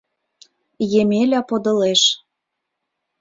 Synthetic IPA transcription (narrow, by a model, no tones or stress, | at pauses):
jemelʲɑpod̪ɤ̆leʃ